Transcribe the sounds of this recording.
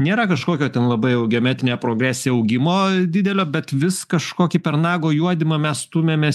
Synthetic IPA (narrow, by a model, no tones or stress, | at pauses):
nʲeːɾɐkɐʃkoːkʲoːt̪ʲɛnlˠɐbɐɪɛʊɡʲɛɔmʲæːt̪ʲɪnʲeːpɾoːɡɾʲæːsʲɪjɛɐʊɡʲɪmoːd̪ʲɪd̪ʲɛlʲoːbʲɛt̪ʋʲɪskɐʃkoːkʲipʲɛɾnɑːɡoːjuɔd̪ʲɪmɐmʲɛst̪uːmʲeːmʲɛ